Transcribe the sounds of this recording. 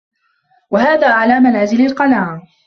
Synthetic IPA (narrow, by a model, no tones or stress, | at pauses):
wahaːðaːʕalaːmanaːzɪlalqɑnaːʕ